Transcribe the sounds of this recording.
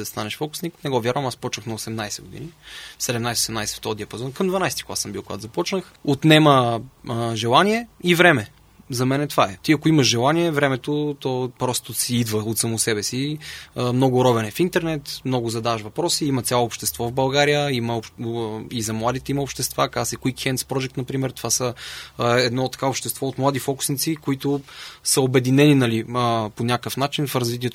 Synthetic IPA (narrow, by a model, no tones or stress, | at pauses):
ɛɐst̪anɛʃfɔkʊ̥sniknɛɡɔvʲjaɾvəmaspɔt͡ʃnəxnɐosɛmnajsɛɡʊd̪ḭnisɛd̪ɛmnajsɛosɛmnajsɛ̥ft̪ɔd̪iɐpɐzɔnkɐmd̪vɐnajst̪i̥kʊasəmbilˠkʊɡat̪zɐpɔt͡ʃnəx | ot̪nɛmə | ʒɛlˠaniɛivɾɛmɛ | zɐmɛnɛt̪vaɛt̪iɐkʊiməʃʒɛlˠaniɛvɾɛmɛt̪ot̪ɔpɾɔst̪ʊsiid̪vəot̪sɐmʊsɛbɛsi | mnɔɡʊɾɔvɛnɛfint̪ɛɾnɛt̪mnɔɡʊzɐd̪avəʃvɐpɾɔsiimɐt̪sʲjalˠoːpʃt̪ɛst̪vɔvbɐlˠɡaɾijəiməo | izɐmlˠad̪it̪ɛiməopʃt̪ɛst̪vakasɛkuikːɛnt̪spɾɔd͡ʒɛk̚t̪nɐpɾimɛɾt̪o̥vasə | ɛd̪nɔt̪ːɐ̥kaopʃt̪ɛst̪vɔot̪mlˠad̪ifɔkʊ̥snit̪sikoit̪osəobɛd̪inɛninɐliponʲakəfnat͡ʃinfɾɐzvit̪̬ʲiɛt̪